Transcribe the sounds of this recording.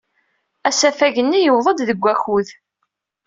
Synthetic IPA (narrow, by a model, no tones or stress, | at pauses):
æsæfæʝənːijəwðˤəd̪ðəɡʷːæçuð